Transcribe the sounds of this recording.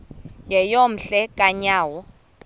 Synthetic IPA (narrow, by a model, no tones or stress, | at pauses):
jɛjom̩ɬɛkʼaɲaːwɔ